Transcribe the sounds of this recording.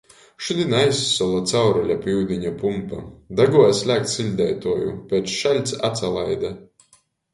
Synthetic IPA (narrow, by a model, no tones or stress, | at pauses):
ʃud̪inajsːɔlˠat̪sawɾalʲapiwd̪iɲapumpad̪aɡuɔjasʲlʲæːk̚t̪silʲd̪ɛjt̪uɔjṵpʲeːt̪sʃalʲt̪sat̪salˠajd̪a